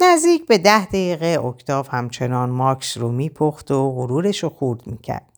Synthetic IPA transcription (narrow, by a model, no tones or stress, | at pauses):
næzd̪iːcʰbe̞d̪æhd̪ejiːɣeokt̪ʰɒːvhæmt͡ʃʰe̞nɒːnmɒːksromiːpʰoxt̪oʁuɾuːɾeʃoxuɾd̪miːcʰæ̰ɾd̪